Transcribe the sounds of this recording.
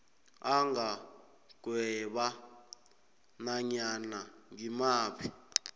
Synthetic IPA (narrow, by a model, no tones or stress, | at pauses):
aŋa | ɡ̥ʱwɛɓa | naɲanaŋimaːpʰi